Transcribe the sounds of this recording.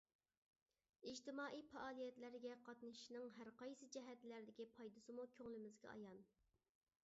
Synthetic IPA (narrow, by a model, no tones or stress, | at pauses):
id͡ʒt̪ɪmɑːʔijpʰɑɑːlˠijɛt̪læɾɡʲɛqʰɑt̪nɨʃinɨŋɦæɾqɑjsɨd͡ʒɛɦɛt̪læɾd̪ɪkʲipʰɑjd̪ɨsɨmukʲʰøŋlɪmɪzɡʲɛ̰ɑ̰jɑn